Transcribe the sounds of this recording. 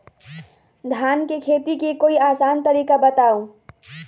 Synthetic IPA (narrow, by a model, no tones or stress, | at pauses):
d̪ʱankekʰet̪ikekoiaːsant̪əɾikabət̪aũ